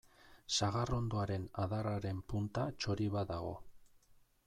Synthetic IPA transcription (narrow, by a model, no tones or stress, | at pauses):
saɣaro̞nd̪oaɾe̞naðaraɾe̞mpunt̪at͡ʃo̞ɾiβad̪aɣo̞̰